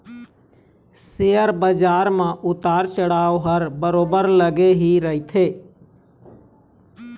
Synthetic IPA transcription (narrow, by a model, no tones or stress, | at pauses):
sejəɾbəd͡ʒaːɾmãʔʊt̪aːɾt͡ʃəɽaːoɦəɾbəɾoːbəɾləɡeɦiɾəɦit̪ʰeː